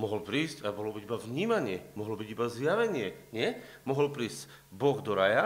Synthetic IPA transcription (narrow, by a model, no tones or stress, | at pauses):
mɔɦɔlpɾiːscabɔɦlɔbiɟibavɲiːmaɲɪɛmɔɦɔlɔbiɟibazjaʋɛɲɪɛɲɪɛ | mɔɦɔlpɾiːzc | bɔɣd̪ɔɾaja